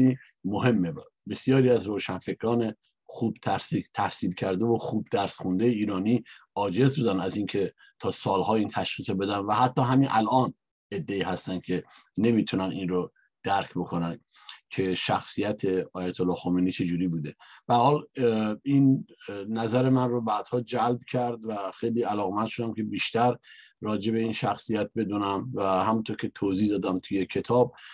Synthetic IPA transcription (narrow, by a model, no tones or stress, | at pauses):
i | moɦe̞mːe | be̞sjɒːɾiːæzɾoːʃænfe̞cʰɾɒːne̞ | xuːb̥t̪ʰæɾsit̪ʰæhsiːlcʰæɾd̪evoxuːb̚d̪æɾsxund̪ejeiːɾɒːniː | ɒːd͡ʒe̞zbud̪ænæziːncʰe̞ | t̪ʰɒːsɒːlhɒːiːnt̪ʰæʃχiːsobe̞d̪ænvæhæt̪ʰːɒːɦæminʔælʔɒːn | e̞d̪ːe̞iːhæst̪æn̥kʰe̞ne̞miːt̪ʰunæninro | d̪̥æɾkʰbo̞kʰonæn | cʰe̞ʃæxsijæt̪ʰe̞ɒːjæt̪ʰolːɒːxomeniːt͡ʃʰe̞d͡ʒuːɾiːbuːd̪e̞b̥ææɾhɒːl | innæzæɾemænrobæd̪hɒːd͡ʒælbcʰæɾd̪væxejliːælɒːɣemænd̪ʃod̪æmkʰe̞biːʃt̪æɾ | ɾɒːd͡ʒe̞βe̞inʃæxsijæt̪̚be̞d̪uːnæmvæhæmunt̪ʰoɾcʲʰe̞t̪ʰoːzihd̪ɒːd̪æmt̪ʰujecʰe̞t̪ʰɒːb̚